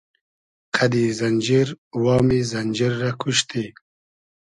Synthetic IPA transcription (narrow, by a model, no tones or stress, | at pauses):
kʰad̪izɐnʲd͡ʒiɾwɑːmizɐnʲd͡ʑiɾːakʰuɕt̪ʰi